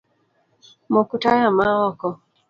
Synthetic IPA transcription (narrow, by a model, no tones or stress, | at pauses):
mɔkutajamaɔkɔ